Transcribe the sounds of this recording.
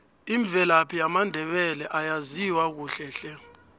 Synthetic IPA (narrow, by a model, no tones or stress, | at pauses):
iɱb̪vʱɛlapʰijamandʱɛɓɛlɛʔajaziwak̬uɬɛɬɛ